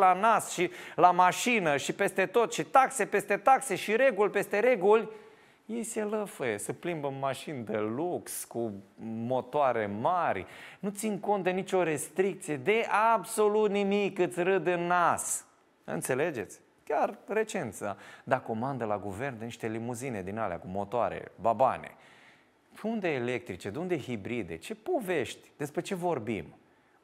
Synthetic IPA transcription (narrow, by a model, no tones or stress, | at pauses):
lanasʃilamaʃinəʃipe̞st̪e̞t̪o̞t̪ʃit̪aksepe̞st̪e̞t̪akseʃiɾe̞ɡulʲpe̞st̪e̞ɾe̞ɡulʲ | jejseləfəjesəplimbəmmaʃind̪elukskumo̞t̪oaɾe̞̰marʲnut̪sinko̞nt̪d̪e̞nit͡ʃo̞ɾe̞st̪ɾik̚t̪sije̞d̪e̞ʔabso̞lut̪nimikːɨt̪sʲɾɨd̪ɨnas | ɨ̰nt̪se̞le̞d͡ʒe̞t̪sʲ | kʲarre̞t͡ʃe̞nt̪sad̪ako̞mand̪əlaɡuve̞rnd̪eniʃt̪e̞limuzine̞d̪inalea̰kumo̞t̪oa̰ɾe̞̰baba̰nḛ | und̪eːle̞k̚t̪ɾit͡ʃe̞d̪eund̪e̞ɦibɾid̪e̞̰t͡ʃe̞po̞ve̞ʃt̪ʲd̪̥e̞spɾe̞t͡ʃe̞vo̞rbḭm